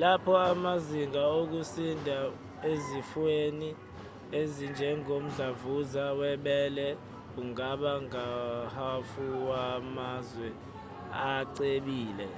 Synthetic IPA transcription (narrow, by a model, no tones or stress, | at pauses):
lapʰɔamaziŋaok̬usindʱa | ezifweni | ezind͡ʒʱɛŋom̩ɮavuzawɛɓɛːlɛ | uŋaɓaŋahafuwamazwɛ | aǀeɓiːlɛ̰